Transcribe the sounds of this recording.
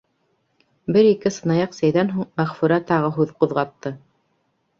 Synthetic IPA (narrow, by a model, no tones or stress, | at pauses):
bɘɾikɘsɤ̆nɑjɑqsæjðænɦuɴmæχfʉɾæt̪ɑʁɤɦʉðqŏðʁɑt̪ːɤ